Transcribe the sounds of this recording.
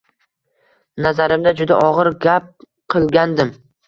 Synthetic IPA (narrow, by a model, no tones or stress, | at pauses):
nazaɾɪmd̪ad͡ʒʊd̪a̰ʔɒʁɨɾɡʲap̚ | qʰɨlˠɡʲand̪ɪm